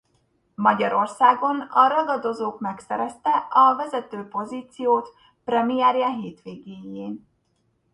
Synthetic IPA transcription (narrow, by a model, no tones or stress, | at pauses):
mɒɟɒɾo̞rsaːɡo̞nɒɾɒɡɒd̪o̞zoːkmɛksɛɾɛst̪ɛɒvɛzɛt̪øːpo̞ziːt̪sijoːt̪ | prɛmijɛːɾjaɦeːt̪ʋeːɡeːjeːn